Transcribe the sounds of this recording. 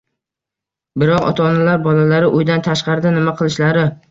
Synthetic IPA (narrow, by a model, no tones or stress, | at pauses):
bɪɾɒqɒ̰t̪ʰaːnalaɾbɒlalaɾɪʔʊjd̪ant̪ʰaʃqɑɾɪd̪anɪmaqʰɨlˠɪʃlaɾɪ